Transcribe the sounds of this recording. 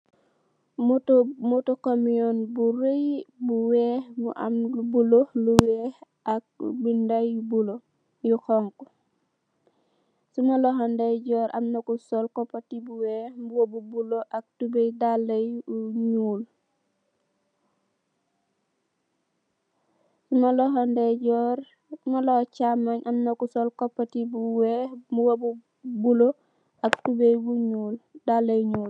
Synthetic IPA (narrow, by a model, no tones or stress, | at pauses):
mtmutɔkamiɔnbuɾejbuwɛbṵʔa̰mlubuloluwɛh | ʔak̚bindajubulo | juxɔŋkɔ | sumalɔɦandajɟɔːɾʔa̰mnakusɔlkɔpːatibuwɛhbuwobubuloʔak̚tubejdal | ɲuːl | sumaloɦondeɟɔːɾ | malot͡ʃamaɲʔamnɐkusolkopːatibuwemuwobu | bulo | ʔaktubejwuɲuldalːejɲuːl